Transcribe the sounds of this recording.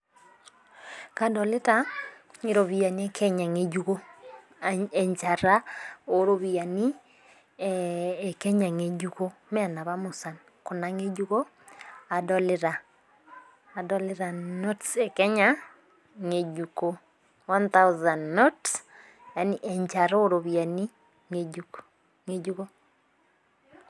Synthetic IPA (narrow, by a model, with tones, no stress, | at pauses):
ka˨dɔ˨lɪ˦ta˦ | i˨ɾo˨βi˨a˨ni˦e˦kʰɛ˦ɲa˨ŋe˨d͡ʒu˦ko˦ | ɛ˨ɲt͡ʃa˨ɾa˦o˨ɾo˨βi˨a˨ni˦˨ | kɛ˦ɲa˨ŋe˨d͡ʒu˦ko˦mɛ˦˨na˨βa˦mu˨sa˨n | ko˨na˨ŋe˦d͡ʒu˦ko˦ | a˨dɔ˨le˦ɾa˨ | dɔ˦le˦ɾa˨no˦tse˨kɛ˦ɲa | ŋe˨d͡ʒuko˦ | wa˦nta˦wuza˨nːots | ja˨ni˨ʔɛ˨ɲt͡ʃa˨ɾo˦ɾo˨βia˨ni˦ | ŋe˨ɟuko | ŋe˦ɟu˦ko˦